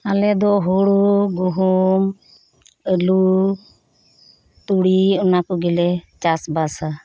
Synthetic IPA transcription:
alɛd̪ɔɦɔɽɔɡuɦum | əlu | t̪uɽiɔnakɔɡilɛt͡ʃasbasa

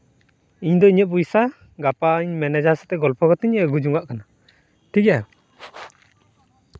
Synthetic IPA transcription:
iɲd̪ɔiɲəʔ̚bujsa | ɡapaɲmɛnɛd͡ʒasɛ̥t̪ɛɡɔlpʰɔɡɔt̪ɛɲəɡud͡ʒuŋɡaʔkana | t̪iɡa

